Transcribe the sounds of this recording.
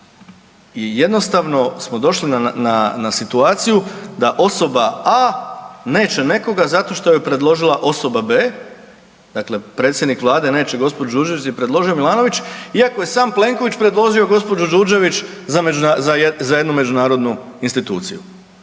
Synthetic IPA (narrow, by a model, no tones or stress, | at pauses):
ije̞d̪no̞st̪aʋno̞smo̞d̪o̞ʃlinananasit̪uaːt̪sijud̪aʔo̞so̞baa | ne̞ːt͡ʃe̞ne̞ko̞ɡazat̪o̞ʃt̪o̞jepɾe̞d̪lˠo̞ʒilˠaʔo̞so̞babe̞ː | d̪̥akle̞pɾe̞ːt̪sʲjed̪nikʋlˠaːd̪e̞ne̞ːt͡ʃeɡo̞spod͡ʒud͡ʒuːɾd͡ʒe̞ʋit͡ʃipɾe̞d̪lo̞ʒio̞milˠaːno̞ʋit͡ʃiako̞je̞saːmple̞ŋko̞ʋit͡ɕpɾe̞d̪lˠo̞ʒio̞ɡo̞spo̞d͡ʒud͡ʒuɾd͡ʒe̞ʋit͡ʃzamed͡ʒunazazaje̞d̪nume̞d͡ʒunaːɾo̞d̪nuinst̪it̪uːt̪sḭju